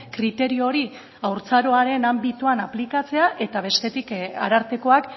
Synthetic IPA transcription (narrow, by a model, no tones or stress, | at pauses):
kɾit̪e̞ɾio̞ɾi | awɾt͡saɾo̞aɾe̞nambit̪uanaplikat͡se̞aʔe̞t̪aβ̞e̞st̪e̞t̪ika̰ɾaɾt̪eko̞ak